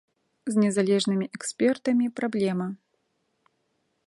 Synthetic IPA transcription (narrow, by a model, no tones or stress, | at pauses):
zʲnʲɛzalʲɛʐnɨmʲiʔɛksʲpʲɛrt̪ɐmʲipɾablʲɛmɐ